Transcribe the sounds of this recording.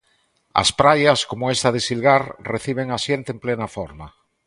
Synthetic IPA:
ɐ̰spɾajaskomʊest̪aðesilɣaɾreθiβ̞eŋasjent̪eemplenafɔɾma

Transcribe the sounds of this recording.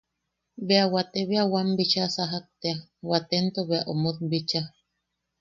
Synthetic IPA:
beawat̪eβeawambit͡ʃasaɦak̚t̪eawat̪ent̪oβeaʔomoðbit͡ʃa

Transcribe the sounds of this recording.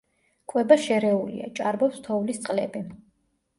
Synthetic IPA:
kʼwɛbaʃɛɾɛulḭa̰t͡ʃʼaɾbɔpst̪ʰɔvlist̪sʼqʼlɛ̰bi

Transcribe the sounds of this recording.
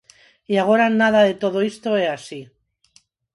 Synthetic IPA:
iaɣ̞o̞ɾanaðaðe̞t̪o̞ðoist̪o̞easi

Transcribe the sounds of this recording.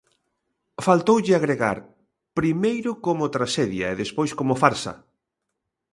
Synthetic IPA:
falt̪owʎɪaɣɾeɣa̰ɾ | pɾimejɾʊkomʊt̪ɾaʃeðjaeðespojskomʊfaɾsɐ̰

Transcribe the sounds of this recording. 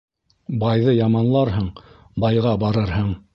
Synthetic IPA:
bɑjðɤjɑmɑnlˠɑɾɦɤɴ | bɑjʁɑbɑɾɤɾɦɤɴ

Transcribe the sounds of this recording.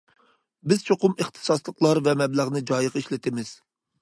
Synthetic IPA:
bɪz̥t͡ʃʰoqʊmeχt̪ʰɨ̥sɑslˠəqlˠɑɾvɛmɛblæʁnɨd͡ʒɑjəʁiʃlɪt̪ʰɪmɪz̥

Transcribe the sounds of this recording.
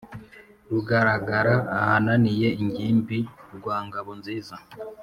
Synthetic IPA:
ɾuɡaɾaɡaɾaːhananije̞iɲɟiːmbiɾɡwaːŋɡaβonziːza

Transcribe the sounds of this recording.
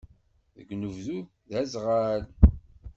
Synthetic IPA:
ðə̰ɡnuvðu | ðæzʁal

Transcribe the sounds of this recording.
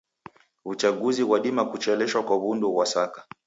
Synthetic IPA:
ut͡ʃaɠuziwaɗimakut͡ʃɛlɛʃwakwaβundɔwasakḁ

